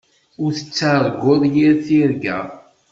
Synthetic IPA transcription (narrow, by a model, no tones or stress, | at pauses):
ʊɾθət͡sːaɾˤɡʊðˤjiɾθiɾɡæ̰